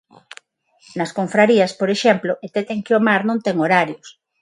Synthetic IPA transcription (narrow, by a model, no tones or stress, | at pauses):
nɐskoɱfɾaɾiɐspoɾeʃɛmploʔet̪et̪eŋkɪomaɾnõnt̪ɛŋoɾaɾjos